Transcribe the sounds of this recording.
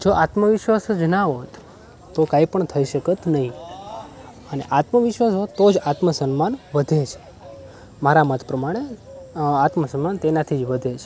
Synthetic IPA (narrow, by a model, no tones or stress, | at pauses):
d͡ʒoʔat̪məʋɪʃʋasd͡ʒənaɦot̪ː | okaipəɳt̪ʰəiʃəkət̪nəɦĩ | əneʔat̪məʋɪʃʋasɦot̪ːod͡ʒat̪məsənmanʋəd̪ʱet͡ʃʰe̥ | maɾamət̪ʰpɾəmaɽ̃e | at̪məsənmant̪enat̪ʰid͡ʒʋəd̪ʱet͡ʃʰe